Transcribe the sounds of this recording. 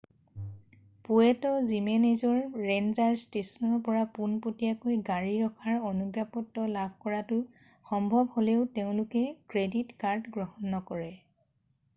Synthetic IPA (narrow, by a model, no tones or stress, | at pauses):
puɛtɔzimenezɔɹɹenzaɹstesɔnɔɹpɔɹapunpotijakojɡaɹiɹɔkʰaɹonuɡjapɔtːɔlabʱkɔɹatʊ | xɔmbʱɔbholɛʊteʊ̃lʊkɛkɹeditkaɹdɡɹɔɦɔnːɔkɔɹɛ